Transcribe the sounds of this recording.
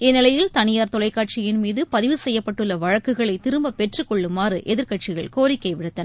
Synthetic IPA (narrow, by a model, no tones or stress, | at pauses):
ɛnːɪlɐjɪlt̪ɐnɪjaːɾt̪ɔlɐɪkːaːʈ̚t͡ʃɪjɪnmiːðɯpɐðɪʋɯsɛjːɐpːɐʈːɯɭːɐʋɐɻɐkːɯɣɐɭɐɪt̪ɪɾɯmbɐpɛʈrɯkːɔɭːɯmːaːrɯʔɛðɪɾkɐʈ̚t͡ʃɪɣɐɭkoːɾɪkkːɐɪʋɪɽɯt̪ːɐn